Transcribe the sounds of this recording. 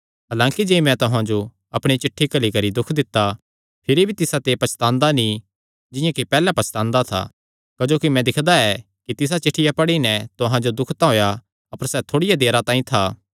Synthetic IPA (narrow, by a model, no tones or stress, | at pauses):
ɦɐlãːkid͡ʒeːmɛ̃t̪ʊɦãd͡ʒo | ɐpɽ̃it͡ʃɪʈʰːikɐlikɐɾid̪ʊkʰd̪ɪt̪ːa | pʰɪɾibʱit̪ɪsat̪epɐt͡ʃʰt̪ãːnd̪anĩ | d͡ʒɪ̃jãkipɛːlɛpɐt͡ʃʰt̪ãːnd̪at̪ʰa̰ | kɐd͡ʒoːkimɛ̃d̪ɪkʰd̪aɛ | kit̪ɪs̬at͡ʃɪʈʰːɪjapɐɽinɛt̪ʊɦãd͡ʒod̪ʊkʰt̪aɦoːja | ɐpəɾsɛt̪ʰoːɽɪjad̪eːɾat̪ãːĩt̪ʰaː